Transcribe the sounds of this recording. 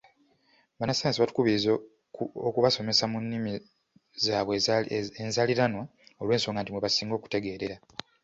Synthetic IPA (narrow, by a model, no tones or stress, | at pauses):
βanaseːnsiβatu̥kuβiiz | okuβaso̞me̞samunːimi | zaːβweenzaliɾano̞olweːnso̞ːŋɡantimweβasiːŋɡoːku̥te̞ɡe̞ːɾe̞ɾa